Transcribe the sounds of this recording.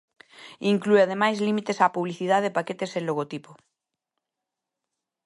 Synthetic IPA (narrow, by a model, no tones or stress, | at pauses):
iŋklueað̞emajzlimit̪esapuβliθiðaðepaket̪esẽnloɣ̞ot̪ipo